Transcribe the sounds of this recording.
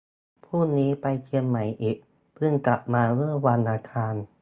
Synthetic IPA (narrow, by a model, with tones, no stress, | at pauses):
pʰuː˥˩niː˦˥pa˧jkʰi˧əmːa˩˦jʔiː˨˩k̚ | pʰɯ˥˩ŋkla˨˩p̚maː˧ɾɯ˥˩əwa˧nʔaː˧kʰaː˧n